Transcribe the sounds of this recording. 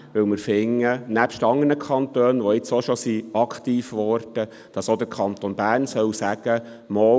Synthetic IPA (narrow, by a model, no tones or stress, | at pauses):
ʋɵwmɪɾfɪŋːənæpʃtɑŋːənəkʰχɑnt̪øːnʋɔɪt͡soʃɔsiɑkχt̪iːfʋɔɾd̥ə | d̥ɑsod̪əɾkʰɑnt̪onbæːrnsœwsæɡ̥ə | mɔ